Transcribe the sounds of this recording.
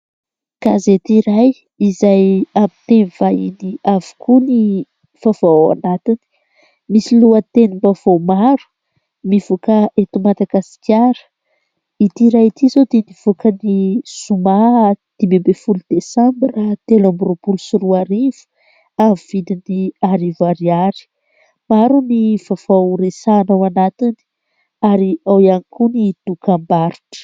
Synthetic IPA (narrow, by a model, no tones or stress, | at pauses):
kazet̪iɾaj | izajamit̪envajiniavi̥kʰuni | fav̥awa̰nat̪ini̥ | misiluət̪enimbav̥omaɾu̥ | mivukəʔet̪umad̪aɡasi̥kʲjaɾə̥ | it̪iɾajit̪izod̪eniv̥ukənisumad̪̥imembefulud̪̥esãmbirat̪elambuɾopulusuɾuaɾivu̥ | amv̥id̪iniaɾivaɾiaɾi̥ | maɾuniv̥av̥aɾesaːnawanat̪ini̥ | aɾiawianikunid̪̥ukambaɾiʈ͡ʂə̥